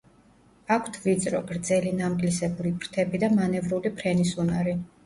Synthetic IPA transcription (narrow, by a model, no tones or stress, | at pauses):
akʰt̪ʰvit̪sʼɾɔɡɾd̪zɛlinamkʼlisɛbulipʰɾt̪ʰɛbid̪amanɛvɾulipʰɾɛnisunaɾi